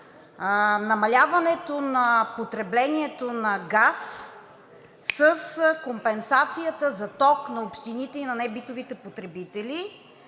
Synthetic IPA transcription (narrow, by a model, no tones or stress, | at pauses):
nɐmɐlʲavɐnɛt̪onɐpot̪ɾɛblɛniɛt̪onɐɡas | əskompɛnsat̪sijət̪əzɐt̪ɔknɐopʃt̪init̪ɛinɐnɛbit̪ovit̪ɛpot̪ɾɛbit̪ɛli